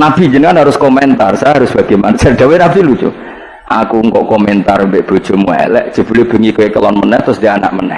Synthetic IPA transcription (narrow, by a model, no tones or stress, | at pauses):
nab̥i̤d͡ʒənŋkanɦaɾʊskomɛnt̪arsajɦaɾʊsb̥a̤ɡ̥amanasɛrd̥̪awenabilut͡ʃṵ | ʔakuŋkɔʔkɔmɛnt̪armbeʔb̥o̤d̥ʒ̥o̤mua̰lɛ̰ʔd̥ʒ̥ə̤b̥ulɪb̥ṳŋikoekəlɔnmənɛht̪ɾʊsd̥iana̰ʔmənɛ̰h